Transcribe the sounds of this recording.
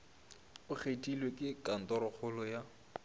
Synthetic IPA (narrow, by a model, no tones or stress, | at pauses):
ʊk͡xʰetʼilwekʼɪkʼan̩tɔɾɔk͡xʰʊlɔja